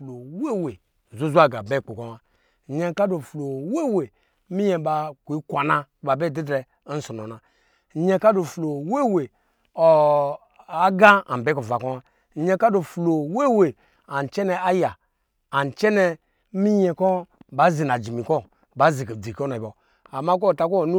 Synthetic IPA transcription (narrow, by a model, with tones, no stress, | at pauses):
flo˨we˦˨we˨ | zu˦zu˦a˦ɡa˨be˦˨k͡po˨ko˦wa˦˨ | ɲe˦ka˦do˨flo˨we˦˨we˨˦ | mi˦ɲe˨˦ba˨kʷi˦kʷa˨na˦ba˨be˦˨di˦dɾɛ˨˦ | n̩˦so˨no˨na˨˦ | ɲe˦ka˦do˨flo˨we˦˨we˨ | o˨ | a˨˦ɡa˦a̰˨bɛ˦ko˨va˨ko˦wa˦˨ | ɲe˧ka˦do˨flo˨we˦˨we˨ | a˨n˨t͡ʃɛ˦nɛ˨a˦jaː˨ | n˨t͡ʃɛ˦nɛ˧˦ | mi˦ɲɛ˨kɔ˦ba˨˦zi˨na˨d͡ʒi˨mi˨kɔ˦ | ba˨˦zi˨ke˨d͡zi˨ko˦na˨bɔ˨ | a˨ma˦k̬o˦˨ta˦ko˦˨nu˦